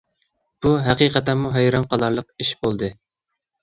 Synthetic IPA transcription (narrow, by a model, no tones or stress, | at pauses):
b̥uɦæqiqɛt̪ɛmuɦɛjɾɑnqʰɑlˠɑɾlˠəqiʃbolˠd̪ɨ